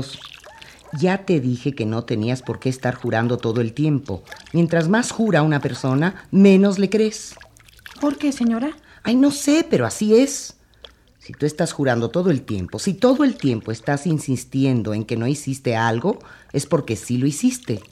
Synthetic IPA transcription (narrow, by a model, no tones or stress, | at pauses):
s | ʝat̪e̞ðixe̞ke̞no̞t̪e̞niaspo̞ɾke̞ːst̪aɾxuɾand̪o̞t̪o̞ðo̞e̞lt̪je̞mpo̞̰mje̞nt̪ɾazmasxuɾaunape̞ɾso̞namẽ̞no̞zle̞kɾe̞s | poɾkeseɲoɾa | ajno̞se̞pe̞ɾo̞asie̞s | sit̪uest̪asxuɾand̪o̞t̪o̞ðo̞elt̪je̞̰mpo̞sit̪o̞ðo̞e̞lt̪je̞mpo̞est̪asinsist̪je̞nd̪o̞e̞ŋke̞no̞isist̪e̞alɣo̞e̞spo̞ɾke̞silo̞isist̪e̞